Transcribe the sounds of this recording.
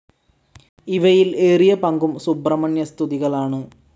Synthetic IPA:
iʋɐjileːrijɐpɐŋɡumsubrɐmɐnjɐst̪ʰuðiɣɐɭaːɳɨ

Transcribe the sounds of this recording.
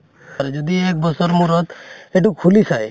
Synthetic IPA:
aɾed͡ʒɔd̪iek̚bɔsɔɾmuɾɔt̪eʈukʰulisʰaj

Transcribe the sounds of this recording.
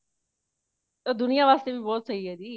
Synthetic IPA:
t̪od̪ʊnijaʋaːst̪ebʱibɔːt̪sɐɦiɦɛːd̪iː

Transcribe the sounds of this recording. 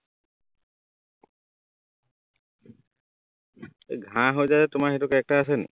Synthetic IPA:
eɡʱãɦojzaɛtʊmaɹxetʊkɛk̚taːs̬ɛnḭ

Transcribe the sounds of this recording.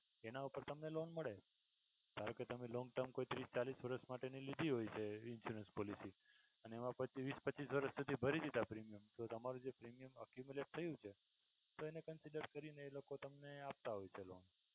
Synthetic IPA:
enaupəɾt̪əmnelonməɭe | d̪ʱaɾə̃ket̪əmelɔ̃ŋɡ̚ʈəɾmkoit̪ɾist͡ʃalisʋəɾəʃmaʈenilid̪ʱiɦojt͡ʃʰeɪnfjuɾənspɔlisi | əneːmãpət͡ʃiʋispəːt͡ʃisʋəɾəʃsud̪ʱibʱəɾid̪it̪apɾimijəmt̪ot̪əmaɾũd͡ʒepɾimijəməkjumjuleʈ̚t̪ʰəjũt͡ʃʰe | t̪oenekənsiɖəɾkəɾineːlokot̪əmneap̚t̪aɦojt͡ʃʰelon

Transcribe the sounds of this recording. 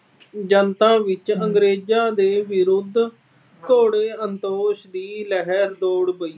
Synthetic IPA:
d͡ʒənt̪ãːʋɪt͡ʃəŋɡɾeːd͡ʒaːd̪eːʋɪɾʊd̪ʱ | t̪ʰoːɽeːənt̪oːʃd̪iːlɛɦɛɾd̪oːɽbəiː

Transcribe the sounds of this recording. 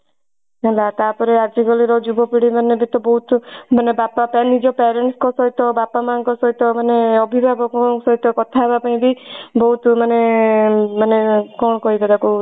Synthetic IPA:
elat̪apɔɾead͡ʒiɡɔliɾɔd͡ʒubɔpiɽimanebit̪ɔbɔɦut̪manebapapenid͡ʒɔpɛɾeɳʈskɔsɔjt̪ɔbapamankɔsɔjt̪ɔmaneɔbʱibʱabɔksɔjt̪ɔkɔt̪ʰaebapaĩbibɔɦut̪mane | manekɔɽ̃ɔkɔɦibad̪aku

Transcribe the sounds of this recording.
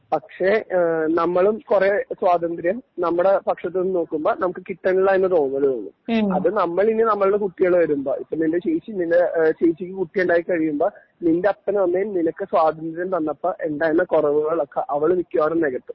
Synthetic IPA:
pɐkʂe̞nɐmːɐɭumkureswaːd̪ɐnd̪ɾjɐmnɐmːuɽe̞pɐkʂɐt̪̬ːɨonːɨno̞ːkːumboːnɐmukːɨkiʈːɐniɭːaːjenːɨt̪o̞ːɳnːɐðilonːṵmɐ̰ðɨnɐmːɐɭinːenɐmːɐɭuɽekuʈːijɐɭeʋɐɾumbo̰ːʔḭpːonindeɕejt͡ɕːinindeɕejt͡ɕːikʲːikuʈːijeɳɖaːjikːɐɻijumboː | nindeɐpːɐnʋɐnːejmninɐkːɨswaːd̪ɐnd̪ɾjɐmt̪ɐnːɐpːɐʔeɳɖaːjenːɐkorɐʋuɣɐɭokːɐʔɐʋɐɭumikʲːuʋaːrɐmneɣɡɐt̪ːɨ̥m

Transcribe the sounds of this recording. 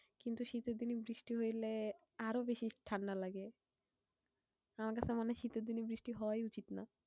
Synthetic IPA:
kint̪uʃit̪ed̪inibɾiʃʈiɦojle | aɾobeʃiʈʰaɳɖalaɡe | amaɾkat͡ɕʰemaneʃit̪ed̪inibɾiʃʈiɦɔoajut͡ɕit̪na

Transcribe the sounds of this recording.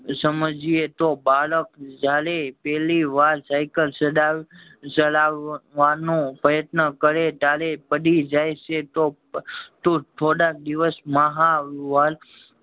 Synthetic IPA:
səməd͡ʒiet̪obaləkd͡ʒalepɛɦliʋaɾsajkəlsəɖa | səlaʋanõpəjət̪nəkəɾet̪alepəɽid͡ʒajʃet̪o | t̪ot̪ʰoɽak̚d̪iʋəsmaɦaʋal

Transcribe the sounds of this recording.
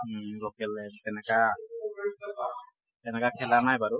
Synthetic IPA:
ɡɔkɛlɛtɛnɛka | tɛnɛkakʰɛlanajbaɹu

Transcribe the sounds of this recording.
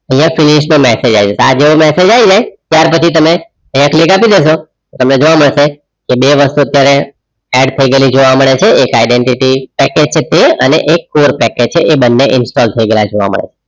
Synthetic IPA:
əɦijãfɪlɪʃnũmɛsed͡ʒaid͡ʒosad͡ʒeomɛsed͡ʒaʋid͡ʒajt̪jaɾpət͡ʃʰit̪əme | ə̃ɦjãkliɡapid̪eʃot̪ot̪əmned͡ʒoʋaməɭʃe | kebeʋəst̪uət̪jaɾe | ɛɖt̪ʰəiɡəelid͡ʒoʋaməɭet͡ʃʰeekaɪɖeɳʈiʈipɛked͡ʒt͡ʃʰet̪eə̰nḛʔekːoɾpɛked͡ʒt͡ʃʰeʔebənːeʔɪnsʈɔlt̪ʰəiɡəelad͡ʒoʋa̰mə̰ɭḛt͡ʃʰe̥

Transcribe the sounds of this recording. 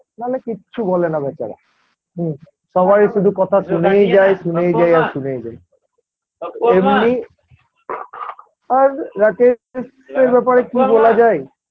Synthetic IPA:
nalekiːɕʰubɔlenabɛt͡ɕa̰ɾa̰ | ɦ | ʃɔbaɾiʃud̪ʱukɔt̪ʰaʃunejd͡ʑajʃunejd͡ʑajaɾʃunejd͡ʑaj | emni | aɾɾakes | eɾbɛpaɾekibolad͡ʑae

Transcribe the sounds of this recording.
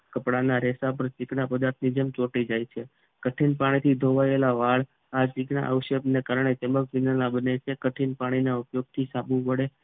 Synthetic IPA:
kəpɽanaɾɛsap̬əɾt͡ʃiknapəd̪aɾt̪ʰnid͡ʒəmt͡ʃoʈid͡ʒajt͡ʃʰe | kəʈʰinpaɽ̃it̪ʰid̪ʱoʋaelaʋaɭ | at͡ʃikna̰ʔəwʃəbnekaɾɳ̃et̪emək̚ʋinalabənet͡ʃʰekəʈʰinpaɽ̃inaupjoɡ̚t̪ʰisabũpəɽe

